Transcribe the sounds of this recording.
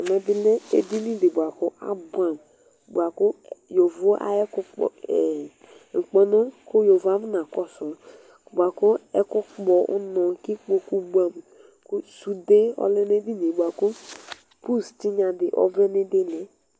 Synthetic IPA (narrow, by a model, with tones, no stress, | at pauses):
a˨me˨bɪ˦le˦e˨di˦nĩ˦di˨bʷa˨kʊ˦ʔa̰˦ba˨m˨ | bu˨a˨kʊ˦jo˨vo˦ʔa̰˦ɛ˦kʊ˦k͡pɔ̰˨e˨ | ŋ̩˨k͡pɔ˨nʊ˦kʊ˦jo˨va˦m˦na˨kɔ˦sʊ˨ | bʷa˨kʊ˦ɛ˦kʊ˦k͡pɔ˨ʔʊ̰˦nɔ˨ki˦k͡po˦ku˦ba˨m˨ | ku˦su˨de˦ɔ̰˦le˦ne˦di˦ne˨bu˨a˨ku˦ | pu˦sti˦ɲa˨dɪ˨ʔɔ̰˦ve˦ne˦de˦le˨